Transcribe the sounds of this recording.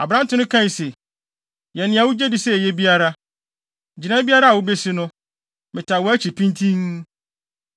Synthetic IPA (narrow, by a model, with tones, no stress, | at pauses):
a˨bɾã˦n˦tʊ̃˦nʊ̃˦kʰã˦i˨se˨ | jɛ˨nɪ̃˨a˨wʊ˦d͡ʑe˦dɪ˨sɛ˦˨jɛ˦bi˦a˦ɾa˦˨ | d͡ʑi˨nã˦bi˦a˦ɾa˦a˨wʊ˦be˦sɪ˦nʊ̃˦ | mɪ̃˨tʰa˨wɔ˨˦æ˦t͡ɕʰi˨pʰĩ˦ntʰĩ˦ŋ